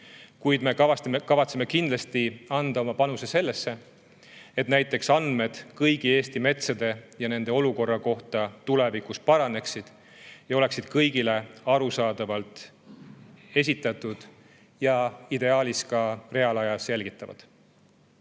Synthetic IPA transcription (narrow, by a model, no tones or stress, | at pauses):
kujd̪̥me̞kɑɑtmkɑvɑt̪seme̞kind̪lɑst̪iɑnd̪̥ɑo̞mɑpɑnusese̞lːe̞sːe̞ | et̪næjt̪ˑːe̞ksɑnd̪̥me̞d̪̥kɤjɡ̥ie̞ːst̪ime̞t̪sɑd̪e̞jɑne̞nd̪eo̞luko̞rːɑko̞ht̪ɑt̪ule̞vikuspɑɾɑne̞ksid̪̥ | jɑo̞le̞ksid̪̥kɤjɡile̞ɑɾusɑːd̪̥ɑvɑlt̪ˑ | e̞s̬ʲit̪ːˑɑt̪ˑud̪̥ | jɑid̪e̞ɑːliskɑre̞ɑlɑjɑselɡ̥it̪ːˑɑvɑ̰d̪̥